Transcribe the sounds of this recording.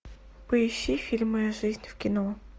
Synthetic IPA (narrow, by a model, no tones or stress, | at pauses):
pəɪɕːifʲilʲmɨjʊʐɨzʲnʲfkʲɪno